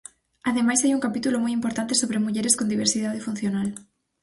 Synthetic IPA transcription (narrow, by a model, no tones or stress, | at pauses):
aðemajsajuŋkapit̪ulomɔjimpoɾt̪ant̪̬esoβɾemuʎeɾeskond̪iβ̞eɾsiðaðefun̟θjonal